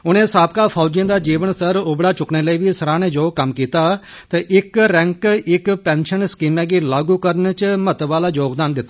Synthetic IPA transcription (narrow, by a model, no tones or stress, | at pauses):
ʊnẽːsaːpkaːpʰaːd͡ʒẽːd̪aːd͡ʒiːʋənsəɾʊbɽaːt͡ʃʊkneːləiːʋiːsəɾãːneːd͡ʒoːkəmkiːt̪aːt̪eːʔɪkɾɛ̃ːŋkɪkpɛ̃ːnʃənskiːmɛ̃ːɡiːlaːɡuːkəɾənt͡ʃmət̪ʋaːlaːd͡ʒoːɡd̪aːnd̪ɪt̪ːaː